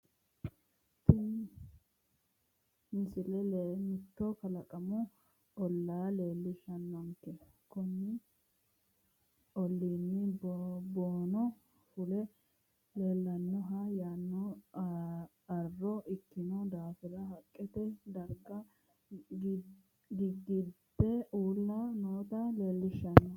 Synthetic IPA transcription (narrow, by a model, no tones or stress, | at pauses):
t̪ɪn | mɪsɪlɛlːmɪt̪ːɔkɐlɐkʼɐmɔ | ɔlːaːle̞ːlːɪʃɐnːɔŋkːɛ | kʊnːɪ | ɔlːiːnːɪboːnɔ | fʊlɛ | le̞ːlːɐnːɔɦɐjaːnːɔ | ɐrːɔʔɪkːɪnɔd̪aːfɪɾɐɦɐkʼːɛt̪ɛd̪ɐɾɡɐ | ɡ | ɡɪɡɪd̪ɛuːlːanoːt̪ɐle̞ːlːɪʃːɐnːɔ